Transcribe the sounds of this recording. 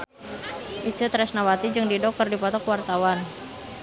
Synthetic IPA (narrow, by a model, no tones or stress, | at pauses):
ʔit͡ʃət̪ɾɛsnawat̪id͡ʒɨŋdidɔkɔrdipɔt̪ɔkwart̪awan